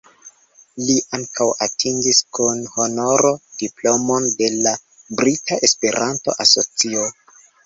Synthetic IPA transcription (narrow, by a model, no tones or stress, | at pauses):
liʔaŋkawatʰind͡ʒiskunho̞no̞ɾo̞d̥iplo̞mo̞nde̞la | bɾitaʔespe̞ɾʔanto̞̰ʔaso̞t͡sio